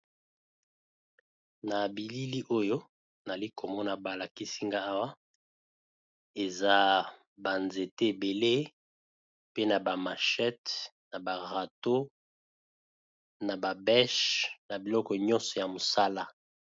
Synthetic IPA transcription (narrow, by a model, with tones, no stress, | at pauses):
na˨bi˨li˦li˦ʔo˦jo˦ | na˨li˦kʰo˨mɔ˦na˨ba˨la˨ki˦si˦ŋɡa˦a˦wa˦ | e˨za˦ | ba˨nze˨te˦e˨be˨le˦ | pe˦na˨ba˨ma˨ʃɛ˦tna˨ba˨ʁa˨to˦ | na˨ba˨bɛ˦ʃna˨bi˨lɔ˦kɔ˨ɲɔ̃˦nsɔ˨ja˨mo˨sa˦la˦